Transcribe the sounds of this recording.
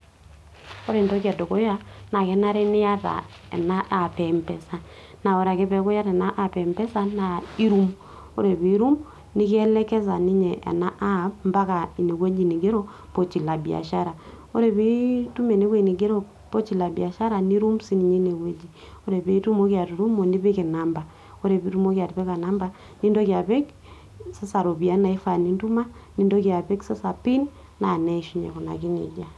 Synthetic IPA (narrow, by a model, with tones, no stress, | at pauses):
o˦ɾe˨ndo˦kja˨do˨ko˦ja˦na˨kɛ˦na˦ɾe˦nɪ˦a˦ta̰˨ | ɛ̰˨na˦ʔa˨pɛ˨mpɛ˨sa˦ | na˨o˨ɾa˨ke˦pɛ˦ko˦ja˦ɾɛ˨na˦ʔa˨pɛ˨mpɛ˦sa˦na˨i˦ɾu˦m | o̰˦ɾe˨pi˨˦ɾu˦m | nɪ˦kɛ˦lɛ˦kɛ˦sa˨ni˦ɲɛ˨ʔɛ̰˨na˦ʔa˦mba˦ka˨i˨ne˨we˦d͡ʒi˨ni˨ɡe˦ɾo˦ | po˦t͡ʃi˨la˨bi˨a̰˨ʃa˦ɾa˨ | o˦ɾe˨βe˦i˦tu˦me˨ne˦we˦˨ni˨ɡe˦ɾo˦˨ | po˦t͡ʃi˨la˨bi˨a˨ʃa˦ɾa˨ni˦ɾu˦msi˦ni˨ɲe˦ne˨we˦d͡ʒi˨ | o˦ɾe˨βe˦i˦tu˦mo˦kja˨tu˨ɾu˦mo˨ni˦βe˦ke˨na˨mba˨ | o˦ɾe˨βi˦tu˦mo˦kja˨tβɛ˦ka˨na˦mba˨ | ni˦ndo˦kja˨βe˦k | se˦sa˨ɾo˨βi˨a˦na˨i˦fa˨ni˨ndu˦ma˦ | ni˦ndo˦kja˨pe˦kse˦sa˨pi˦n | na˨nɛ˦˨ʃi˦ɲɛ̰˨ku˨na̰˨ki˦nḛ˨d͡ʒa˦˨